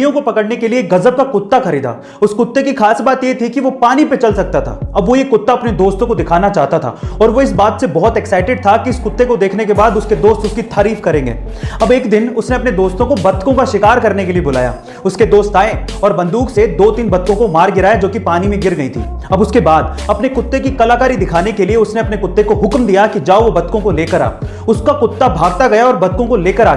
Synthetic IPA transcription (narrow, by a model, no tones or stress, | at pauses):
jõkopɐkəɽnekelieːkɣɐzəb̚kakʊt̪ːaxɐɾiːd̪a̰ː | ʊskʊt̪ːekixaːsbaːt̪jet̪ʰikiʋopaːnipet͡ʃɐlsɐk̚t̪at̪ʰa̰ːɐbʋojekʊt̪ːaɐpned̪oːst̪õkod̪ɪkʰaːnat͡ʃaːɦt̪at̪ʰa̰ɔːɾʋoɪs̬baːt̪sebɔɦʊt̪ɛksaːɪʈɪɖ̚t̪ʰakiɪskʊt̪ːekod̪eːkʰnek̬ebaːd̪ʊsked̪oːst̪ʊskit̪ʰaːɾiːfkɐɾẽːŋɡḛː | ɐbeːkd̪ɪnʊsneɐpned̪oːst̪õkobɐt̪kõkaʃɪkaːɾkɐɾnekeliebʊla̰ːja̰ː | ʊsked̪oːst̪aːẽɔːɾbɐ̃nd̪uːksed̪oːt̪iːnbɐt̪̚kõkomaːɾɡɪɾaːjad͡ʒoːkipaːnimẽɡɪɾɡɐit̪ʰḭː | ɐbʊskebaːd̪ | ɐpnekʊt̪ːekikɐlaːkaːɾid̪ɪkʰaːnekelieʊsneɐpnekʊt̪ːekoɦʊkmd̪ijakid͡ʒaːoʋobɐt̪kõkoleːkəɾa̰ː | ʊskakʊt̪ːabʱaːɡ̚t̪aɡɐjaɔːɾbɐt̪̚kõkoleːkəɾaː